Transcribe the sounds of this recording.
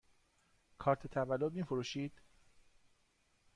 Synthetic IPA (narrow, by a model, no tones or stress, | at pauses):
kʰɒːɾt̪ʰet̪ʰævælːod̪̚miːfoɾuːʃiːd̪̥